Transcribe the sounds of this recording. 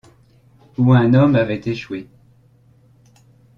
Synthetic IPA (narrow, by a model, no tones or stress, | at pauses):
uɛ̃nɔmavɛt̪eʃwe